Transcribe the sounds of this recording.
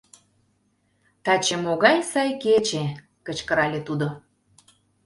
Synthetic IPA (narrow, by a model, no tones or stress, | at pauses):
t̪ɑt͡ɕemoɣɑjsɑjket͡ɕe | kə̆t͡ɕkəɾɑlʲet̪ud̪o